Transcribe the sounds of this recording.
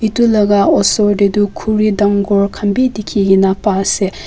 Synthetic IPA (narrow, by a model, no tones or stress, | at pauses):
itulɐɡaɔsɔɾdedukʰuɾidɐŋɡɔɾkʰɐmbidikʰiɡinapase